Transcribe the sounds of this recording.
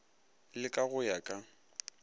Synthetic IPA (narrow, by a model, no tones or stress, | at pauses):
lɪkʼaɣʊjakʼa